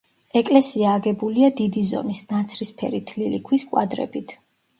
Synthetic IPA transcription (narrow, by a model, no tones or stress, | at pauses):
ɛkʼlɛsiaːɡɛbuliad̪id̪izɔ̰misnat̪sʰɾispʰɛ̰ɾit̪ʰlilikʰwiskʼwa̰d̪ɾɛ̰bit̪ʰ